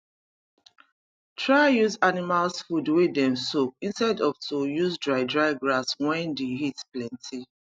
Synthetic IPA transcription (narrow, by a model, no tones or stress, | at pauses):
tʰɹajuzanimalsfudwedɛ̃msok̚ĩnstɛdɔftʰojuzdɹaɪdɹaɪɡɹaswɛ̃ndeɦitplɛ̃ntʰi